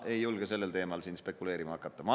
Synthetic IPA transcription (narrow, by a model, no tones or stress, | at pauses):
e̞jːulɡ̥ese̞lːe̞lt̪e̞ːmɑlsiːnspe̞kːˑule̞ːɾimɑhɑkːˑɑt̪ːˑɑmɑ